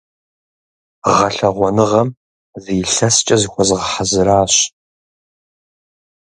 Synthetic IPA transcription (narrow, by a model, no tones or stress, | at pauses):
ʁɐɬɐʁʷɔnɨʁɐm | ziːɬɐst͡ʃʼɐzɨxʷɔzɨʁəħazɨɾaːɕ